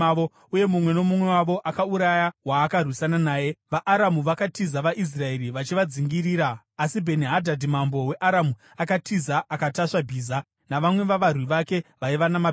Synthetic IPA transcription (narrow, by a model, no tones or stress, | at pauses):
o | uje̞mumwe̞no̞mumwe̞waʋo̞ʔakauɾajaɦwaːkarwisananaːjeʋaʔaɾamuʋakatizaʋaʔis̬rae̞ɾiʋat͡ʃiʋad͡ziŋɡiɾiːɾaː | sibʱe̞niɦadʱadimambo̞we̞ʔaɾamu | akatʰizaʔakataʂabʱiːza | naʋamwe̞ʋaʋarwiʋake̞ʋaiʋanama